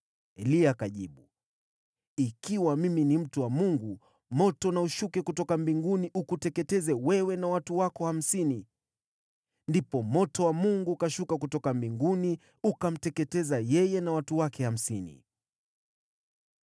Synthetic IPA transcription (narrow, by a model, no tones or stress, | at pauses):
ɛliakaʄiɓu | ikiwamiminim̩tuwamuŋɡu | mɔtɔnauʃukɛkutɔkambiŋɡuniʔukutɛkɛtɛzɛwɛwɛnawatuwakɔham̩sini | ndipɔmɔtɔwamuŋɡukaʃukakutɔkambiŋɡuni | ukam̩tɛkɛtɛzajɛjɛnawatuwakɛham̩sinḭ